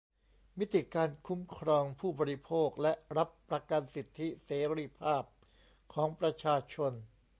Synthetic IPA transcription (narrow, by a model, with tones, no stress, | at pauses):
mi˦˥t̪ʰːi˨˩kaː˧nkʰu˦˥mkʰɾɔː˧ŋpʰuː˥˩bɔː˧ɾi˧˥pʰoː˥˩k̚lɛ˦˥ɾa˦˥pːɾa˧ka˧nsi˨˩t̪ʰːi˦˥seː˩˦ɾi˦˩pʰaː˥˩p̚ | kʰɔː˩˦ŋpɾa˧t͡ɕʰaː˧t͡ɕʰo˧n